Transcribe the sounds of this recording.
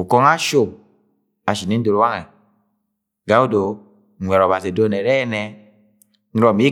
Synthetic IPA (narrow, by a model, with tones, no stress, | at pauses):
u˨kɔ˧ŋa˦ʃo˨m | a˨ʃi˨nɛ˨˦n̩˦do˨ɾo˦wa˦ŋɛ˨ | ɡa˦u˦˨do˨ | ɛ˨ɾɔ˨ba˨se˨do˦nɛ˨ɾɛ˦nɛ˧ | n˦ɾɔ˨mi˦